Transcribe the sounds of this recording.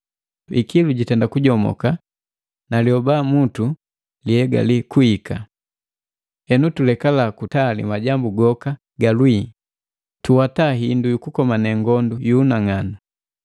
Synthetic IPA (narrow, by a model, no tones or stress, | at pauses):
ikiluɟitɛndakuɟɔmɔ̰ka | naljɔbamutu | lihɛɡa̰likuhika | hɛnutulɛkalakutalḭmaɟambuɡɔka | ɡalwi | tuwataɦindujukukɔmanɛŋɡɔndujuːnaŋana